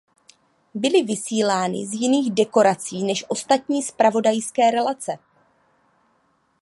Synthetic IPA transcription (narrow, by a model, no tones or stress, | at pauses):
bɪlɪvɪsiːlaːnɪ̰zjɪniːɣdɛko̞ɾat͡siːnɛʃʔo̞st̪at̪ɲiːspɾavo̞dajskɛːɾɛlat͡sɛ